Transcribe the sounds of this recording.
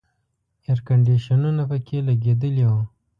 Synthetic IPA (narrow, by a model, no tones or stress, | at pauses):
eɾkaɳɖiʃanunapəkʰelaɡed̪əlewa